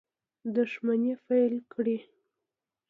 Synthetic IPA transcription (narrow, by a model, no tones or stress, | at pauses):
d̪ʊʃmanefajlkɽi